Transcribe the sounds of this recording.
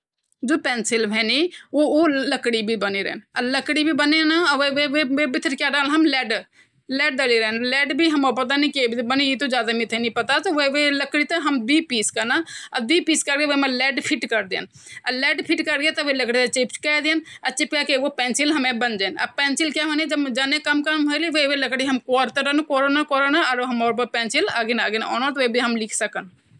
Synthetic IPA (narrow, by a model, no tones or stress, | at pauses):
d͡ʒoːpɛ̃ːnsɪlbʱɛːniooləkɽibʱibəneɾɛ̰ːnələkɽibʱibənenaʋeʋeʋeʋebɪt̪ʰəɾkjaɖaːlɦɐmlɛːɖ | lɛːɖ̚d̪əliɾɛnlɛːɖbʱiɦɐmopət̪̬anĩkebʱibənejit̪od͡ʒjaːd̪amɪt̪ʰenĩpət̪at̪oʋeʋeləkɽit̪oɦəmd̪iːpiːskanaəd̪wipiːskəɾkeʋemẽlɛːɖpʰɪʈkəɾd̪ḛːn | əlɛːɖpʰɪʈkəɾket̪ʋeləkɽit̪ɐt͡ʃept͡ʃkɛd̪eənət͡ʃipkakeʋopɛ̃ːnsɪlɦɐmẽbənd͡ʒeːnɐpɛ̃ːnsɪlkjaɦoːned͡ʒəbd͡ʒaːnekəmkəɦoeliʋoʋeləkɽiɦɐmkɔːɾt̪əɾənkoːɾoːnakoːɾoːnaəɾɦɐmoːɾpəpɛ̃ːnsɪlaːɡenaːɡenɔ̰ːnət̪oʋebʱiɦəmlɪkʰsəkən